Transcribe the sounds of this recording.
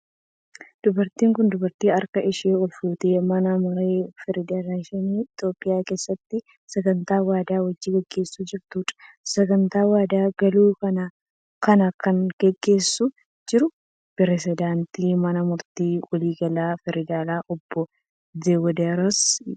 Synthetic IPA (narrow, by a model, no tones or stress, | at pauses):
d̪̥ʊbɐɾt̪iːŋkʊnd̪ʊbɐɾt̪iːɐɾkɐɪʃeːɔlfuːt̪eːmɐnɐmʊɾeːfɛɾɪd̪aːlaːʃɛniːɪt̪oːpʼːɪjaːke̞ːsːɐt̪ːɪ | sɛɡɐnt̪aːwaːd̪aːwɐd͡ʒːiːɡɛɡːe̞ːsːuːd͡ʒɪɾt̪uːᶑ̪ɐ̥ | sɛɡɐnt̪aːwaːd̪aːɡɐluːkɐna | kɐnɐkɐnɡ̥ɛɡːe̞ːsːʊ | d͡ʒɪɾʊ | pɪɾɛsɪd̪aːnt̪iːmɐnɐmʊɾt̪iːwɐliːɡɐlaːfɛɾɪd̪aːlaːʔɔbːɔ | d̪eːwɔd̪aːɾɔs